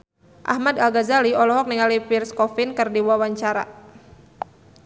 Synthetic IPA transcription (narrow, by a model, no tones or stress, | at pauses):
ʔa̰hmadalɡazaliɔlɔɦɔk̚niŋalipirskɔfɪnkɨrdiwawaɲt͡ʃaɾa